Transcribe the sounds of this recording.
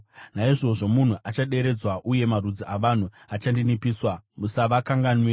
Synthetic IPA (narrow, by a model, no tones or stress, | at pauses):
naiʐo̞ʐo̞mun̤uʔat͡ʃaɗe̞ɾe̞d͡zwaʔuje̞marud͡ziʔaʋan̤u | at͡ʃandinipiːswamusaʋakaŋɡanwi